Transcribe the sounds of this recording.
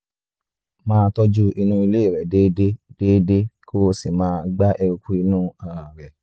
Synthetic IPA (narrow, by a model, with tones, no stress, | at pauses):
mãː˦˧tɔ˦d͡ʒu˦i˧nũ˦i˧le˦i˦˨ɾɛ˨deː˦de˦d̥eː˦de˦kʰo˦o˧si˨mãː˦˧ɡ͡ba˦ʔɛ˧ɾu˧ku˦i˧nũ˦a˨a˨ɾɛ˨